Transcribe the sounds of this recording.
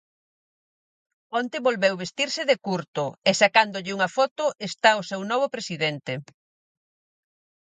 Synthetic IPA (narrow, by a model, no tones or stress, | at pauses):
ɔnt̪eβolβewβest̪iɾsɪðekuɾt̪ʊesakand̪ʊʎɪuŋɐfɔt̪ʊʔest̪aʊsewnɔβ̞ʊpɾesiðɛnt̪e